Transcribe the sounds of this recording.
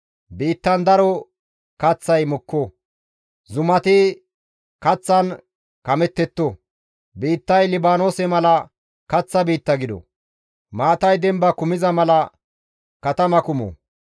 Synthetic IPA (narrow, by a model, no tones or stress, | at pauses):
biːt̪ːɐnd̪ɐɾɔ | kɐt͡sːɐjmʊkːɔ | zʊmɐt̪ɪ | kɐt͡sːɐn | kɐmɛt̪ːɛt̪ːo | biːt̪ːɐjlɪbaːnoːsɛmɐlɐ | kɐt͡sːɐbiːt̪ːɐɡɪd̪ɔ̰ | maːt̪ɐjd̪ɛmbɐkʊmɪzɐmɐlɐ | kɐt̪ɐmɐkʊmɔ̰